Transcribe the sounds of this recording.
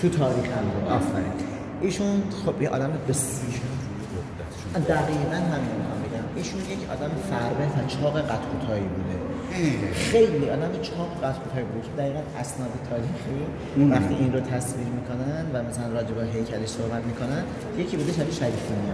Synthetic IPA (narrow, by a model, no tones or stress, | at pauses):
t̪ʰut̪ʰɒːɾiːxhæmbuːd̪ɒfælḭn | ʔiːʃunxob̥jeʔɒ̰ːd̪æmebesiʃenu | od̪æ̥ʃd̪æɣiːʁænɦæminmixɒmbeɟæmiːʃunjecʰɒ̰ːd̪æmefæɾbefæt͡ʃʰɒːɣeɢæt̪ʰkʰuːt̪ʰɒːibuːd̪e̞ | xe̞jliːʔɒːd̪æmjet͡ʃʰɒːɣeɣæt̪kʰuːt̪ʰɒːibud̪eʃʰd̪æɣiːɣænæsnɒːd̪et̪ʰɒːɾiːxi | væxt̪iːʔinɾot̪ʰæsviːʁmiːkʰo̞nænd̪væmæsælænrɒːd͡ʒebeɦejcʰæleʃsohbæt̪miːkʰo̞næn | je̞cʰiːbuːd̪eʃʰæɾiʃæɾiːfimiɒ